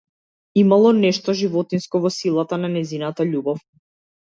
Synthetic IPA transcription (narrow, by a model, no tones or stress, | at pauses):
imalˠɔnɛʃt̪ɔʒivɔt̪inskɔvɔsilˠat̪ananɛjzinat̪aʎubɔf